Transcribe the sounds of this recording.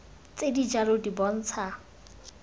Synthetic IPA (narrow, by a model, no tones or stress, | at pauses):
t͡sʼedid͡ʒalodibɔn̩ːt͡sʰa